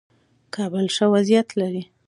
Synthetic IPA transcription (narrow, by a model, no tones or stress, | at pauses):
kʰɑbəlʂəwazijat̪laɾi